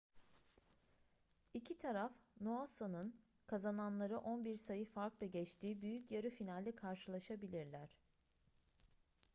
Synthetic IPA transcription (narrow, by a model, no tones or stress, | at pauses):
icʰit̪ʰaɾafnoasanɯn | kʰazananlˠaɾɯʔonbiɾsajɯfaɾklˠaɟɛt͡ʃt̪ʰiːbyjycjaɾɯfinalʲːikʰaɾʃɯlˠaʃabilʲiɾlʲæɾ̝̥